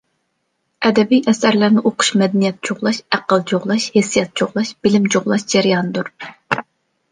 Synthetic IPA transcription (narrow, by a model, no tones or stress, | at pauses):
ɛd̪ɛbijʔɛsæɾlæɾnɪʔoqʰʊ̥ʃmɛd̪ɛnijɛt̪̚t͡ʃʰoʁlˠɑʃæqəlˠt͡ʃʰoʁlˠɑʃhesijɛt̪̚t͡ʃʰoʁlˠɑʃb̥ɪlɪmt͡ʃoʁlˠɑʃd͡ʒɛɾijɑnɨd̪uɾ